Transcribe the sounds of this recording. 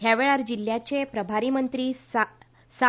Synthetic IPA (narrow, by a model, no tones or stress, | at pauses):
ɦjaʋeɭaɾd͡ʑil̤jat͡ɕepɾəbʱaɾiːmənt̪ɾiːs | sa